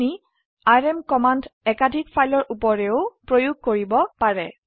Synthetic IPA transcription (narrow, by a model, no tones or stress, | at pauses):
ni | aɹɛmkɔmandɛkadʱikpʰajlɔɹʔupɔɹɛʊpɹojuɡ̚koɹibɔpaɹɛ